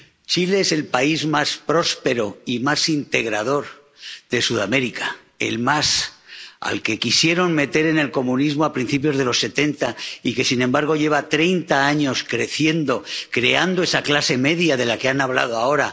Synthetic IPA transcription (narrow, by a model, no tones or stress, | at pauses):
t͡ʃile̞ese̞lpaizmaspɾo̞spe̞ɾoimasint̪e̞ɣ̞ɾað̞o̞ɾ | ð̥e̞suðame̞ɾika | e̞̰lmas | a̰lke̞kisje̞ɾo̞ŋme̞t̪e̞ɾe̞ne̞lko̞mũnizmoapɾin̟θip̬jo̞zð̞e̞lo̞sːe̞t̪e̞nt̪aike̞sinẽmbaɾɣ̞o̞ʝe̞β̞at̪ɾe̞jnt̪aaɲo̞skɾe̞θje̞nd̪o̞kɾe̞and̪oe̞saklase̞me̞ðjaðe̞lake̞anaβ̞la̰ð̞oao̞ɾa